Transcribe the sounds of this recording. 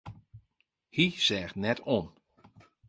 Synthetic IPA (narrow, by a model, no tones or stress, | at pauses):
hisɛːxtnɛtʰon